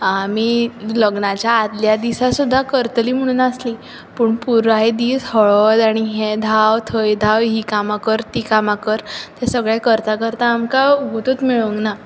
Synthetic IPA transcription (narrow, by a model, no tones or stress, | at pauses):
amiːləɡɳat͡ɕjaːd̪ljad̪isasud̪ʱːakəɾt̪əliːm̤əɽ̃uːnasli | puːɳpuɾaed̪iːshɔɭɔd̪aɽ̃iɦed̪ʱawt̪ʰəjd̪ʱawɦikamakəɾt̪ikamakəɾt̪ɛsəɡɭɛkəɾt̪akəɾt̪aːmkaɡut̪ət͡smiɭəŋɡna